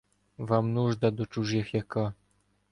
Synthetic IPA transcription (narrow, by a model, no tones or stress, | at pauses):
vamnuʐd̪ad̪ɔt͡ʂuʐjexjaka